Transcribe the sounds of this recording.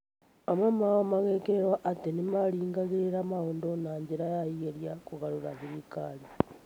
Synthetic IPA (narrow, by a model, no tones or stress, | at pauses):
amamawomaɣekeɾeɾwaʔːtenimaliːŋɡaɣiɾiɾamaoːndonaːɲɟiɾajaieɾjakuɣaluɾa̰βiɾikali